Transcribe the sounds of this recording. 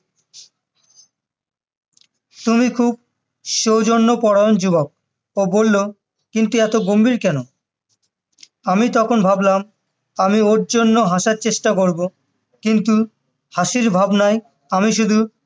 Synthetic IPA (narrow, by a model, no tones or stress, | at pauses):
t̪umikʰub̚ | ʃowd͡ʑonːopɔɽaond͡ʑubok̚ | obolːo | kint̪uɛt̪oɡombiɾkɛno | amit̪ɔkʰonbʱablam | amioɾd͡ʑonːoɦaʃaɾt͡ɕeʃʈakoɾbo | kint̪u | haʃiɾbʱabnaj | amiʃ̬ud̪ʱu